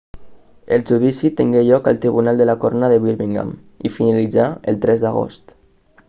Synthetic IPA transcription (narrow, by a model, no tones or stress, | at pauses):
əlˠʒuðisit̪eŋɡeʎɔkə̰lˠt̪ɾiβunalˠd̪əlakornaðəβiɾβiŋɡa̰m | ifinalid͡zaəlˠt̪ɾɛzd̪aɣ̞o̰st̪